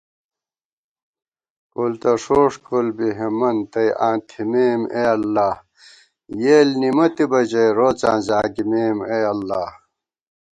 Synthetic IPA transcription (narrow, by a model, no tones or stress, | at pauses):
kolt̪ɐʂoːʂkʰolbiɦemɐnt̪ɐjãːnt̪ʰimeːmeːɐlːaː | jeːlnimɐt̪ibɐd͡ʑɐjɾoːt͡sã̰ːnzaːɡimeːmeɐlːaː